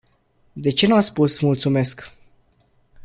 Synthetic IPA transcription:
d̪e̞t͡ʃe̞nuat̪spusmult̪sume̞sk

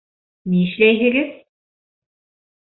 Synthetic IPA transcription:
niɘ̆ʃlæjɦɘ̆ɡɘz̥

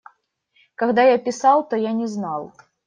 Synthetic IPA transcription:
kaɣd̪ajapʲɪsɑlˠt̪ɔjanʲɪznalˠ

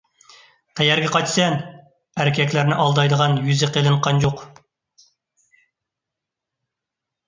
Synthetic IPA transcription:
q̪ʰæjæɾɡʲɛqɑt͡ʃsɛn | æɾɪkʲʰɛkʲlæɾnɪʔɑlˠd̪ɑjd̪əʁɑnjyzɪqʰelˠɨɴqʰɑnd͡ʒoq

